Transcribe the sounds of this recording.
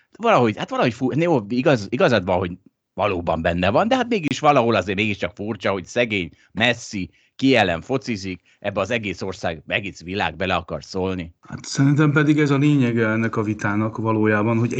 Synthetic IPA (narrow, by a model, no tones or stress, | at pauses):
vɒlɒɦo̞ɟhat̪ʋɒlɒho̞cfujoːiɡɒziɡɒzɒd̪bɒɦo̞ɟ | vɒloːbɒmbɛnːɛvɒnd̪ɛɦat̪meːɡiiʃʋɒlɒɦo̞lɒzeːrmeːɡiʃt͡ʃɒkfurt͡ʃɒho̞csɛɡeːɲ | mɛsːi | kijɛlɛɱfo̞t̪sizik | ʔɛbːɛɒzɛɡeːso̞rsa̰ːɡmɛɡit̪sʋila̰ːɡ̚bɛlɛɒkɒrsoːlniha̰t̪sɛɾint̪̬ɛmpɛd̪iɡɛzɒleːɲɛɡɛɛnːɛkɒvit̪aːnɒkvɒloːjaːbɒnhoɟ